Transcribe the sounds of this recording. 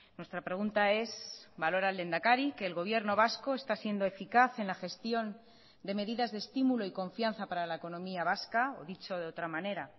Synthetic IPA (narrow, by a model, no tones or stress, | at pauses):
nwe̞st̪ɾapɾe̞ɣunt̪ae̞sbalo̞ɾald̪e̞nd̪akaɾike̞ːlɣo̞β̞je̞ɾno̞β̞asko̞e̞st̪asje̞nd̪o̞e̞fikaθe̞nlaxe̞st̪jo̞n | d̪e̞me̞ðiðazðest̪imuloiko̞ɱfjan̟θapaɾalaeko̞nõ̞miaβ̞askao̰ðit͡ʃo̞ð̞e̞o̞t̪ɾamãne̞ɾa